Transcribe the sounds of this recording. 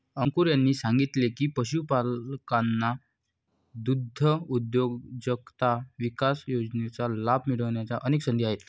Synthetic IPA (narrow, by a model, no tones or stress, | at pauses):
əŋkuɾjanːiːsãŋɡit̪lekiːpəɕupalkanːa | d̪ud̪ʱːəud̪joɡd͡ʑəkt̪aʋikasjod͡znet͡salabʱmiɽəʋɳjat͡saʔəneksənd̪ʱiaɦet̪